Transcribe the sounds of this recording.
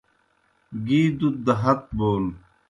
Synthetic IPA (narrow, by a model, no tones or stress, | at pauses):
ɡiːd̪ut̪̚d̪ɐɦɐt̪̚boːl